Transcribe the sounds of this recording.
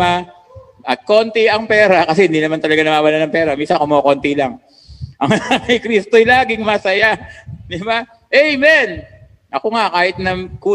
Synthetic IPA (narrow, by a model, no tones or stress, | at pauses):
a | ʔɐt̪̚ko̞nt̪ɪʔɐŋpɛːɾɐkɐs̬ɛhɪnd̪inɐmant̪ɐlɐɡanɐwaːwɐlanɐŋpɛːɾɐmiːsɐnkomoːkont̪ilaŋ | ʔɐŋakɐjkɾist̪ojlaːɡɪŋmɐsɐjad̪ɪba | ʔɛjmɛn | ʔɐkoŋakaːhɪt̪̚nɐŋkuː